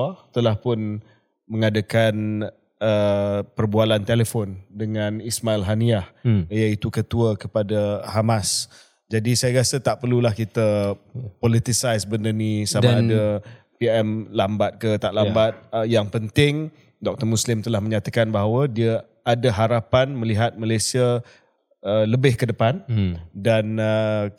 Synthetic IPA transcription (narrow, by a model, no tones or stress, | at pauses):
at̪əlahpʊn | məŋadakan | əpərbualant̪eləfɔndəŋãnismailɦaniahjait̪ukət̪uəkəpadahamas | d͡ʒadisajaɾasət̪aʔpərlulahkit̪əpɔlit̪isajsbəndərnisamaada | piɛmlambat̪̚kət̪aʔlambat̪̚jaŋpənt̪ɪŋ | dɔk̚t̪ərmuslɪmt̪əlahməɲãt̪akanbaɦawədiə | adaɦaɾapanmə̃liɦat̪̚malajsia | ələbɪhkədəpandanə